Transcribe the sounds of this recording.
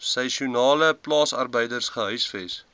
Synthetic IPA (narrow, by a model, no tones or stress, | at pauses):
sɛʃiunɑːləplɑːsɐ̰rbəjdərsχəɦœɥsfɛs